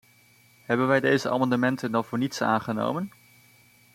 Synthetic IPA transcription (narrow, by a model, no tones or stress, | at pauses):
ɦɛbənʋɛjdejzəʔamɑndəmɛntəndɑnvʊːɹnitsa̰ːnχəno̰wmən